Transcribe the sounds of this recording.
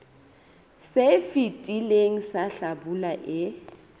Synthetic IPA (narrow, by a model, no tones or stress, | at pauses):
sefitʼileŋ̩saɬabulaʔɪ